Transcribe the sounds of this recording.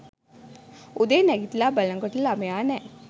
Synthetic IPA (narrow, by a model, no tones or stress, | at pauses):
ud̪enəɡit̪labələ̃ŋɡkəʈlamjanɛ